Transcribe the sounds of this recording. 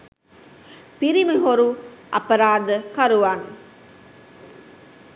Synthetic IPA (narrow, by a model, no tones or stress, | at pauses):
piɾiməɦoɾuʔɐ̰pɐɾaːd̪əkɐɾuʋaːn